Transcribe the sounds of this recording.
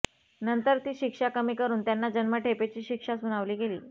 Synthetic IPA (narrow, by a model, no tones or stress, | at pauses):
nənt̪əɾt̪iːɕikʂakəmiːkəɾuːnt̪janːad͡ʑənməʈʰepet͡ɕiːɕikʂasuñaʋliːɡelḭː